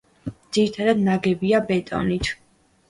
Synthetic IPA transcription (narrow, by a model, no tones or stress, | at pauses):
d̪ziɾit̪ʰad̪ad̪naɡɛbiabɛt̪ʼɔ̰nit̪ʰ